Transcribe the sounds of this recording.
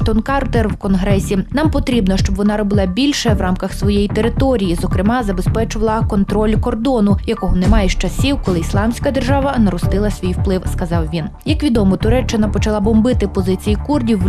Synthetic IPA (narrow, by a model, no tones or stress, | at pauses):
t̪ɔnkɑrt̪ɛrwkɔnɦɾɛsʲinɑmpɔt̪ɾʲibnɔʃt͡ʃɔbʋɔnɑɾɔbɪlˠɑbʲilʲʃɛʋrʔɑmkɐxsʋɔjejit̪eɾɪt̪ɔɾʲijizɔkɾɪmɑzɐbespɛt͡ʃʊʋɐlˠɐkɔnt̪ɾɔlʲkɔrd̪ɔnʊjɐkɔɦɔnɛmɑjɛʃt͡ʃɐsʲiwkɔlˠɪislˠɑmsʲkɐd̪erʒɑʋɐnɐɾɔst̪ɪlˠɐsʲʋʲijwplˠɪwskɐzɑwʋʲinjɐkʋʲid̪ɔmɔt̪ʊɾɛt͡ʃːɪnɐpɔt͡ʃɐlˠɑbɔmbɪt̪ɪpɔzɪt͡sʲijikurdʲiwː